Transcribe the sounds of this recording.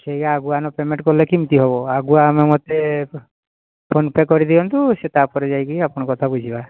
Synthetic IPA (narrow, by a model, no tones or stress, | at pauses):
sejkaːɡuanɔpemẽɳʈ̚kɔlekimt̪iɦɔβɔaɡuaːmemɔt̪e | pʰonpekːɔɾid̪iɔnt̪uset̪apɔɾed͡ʒajkiapɔñɔkɔt̪ʰabud͡ʒʱiba